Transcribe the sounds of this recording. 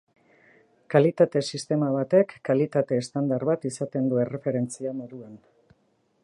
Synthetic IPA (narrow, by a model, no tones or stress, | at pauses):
kalit̪at̪e̞sist̪e̞maβ̞at̪e̞kːalit̪at̪e̞ːst̪and̪aɾβat̪isat̪e̞nd̪ue̞re̞fe̞ɾe̞nt͡siamoɾuan